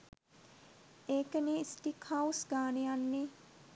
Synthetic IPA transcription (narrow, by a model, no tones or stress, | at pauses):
eːkənisʈikhausɡaːnejanːe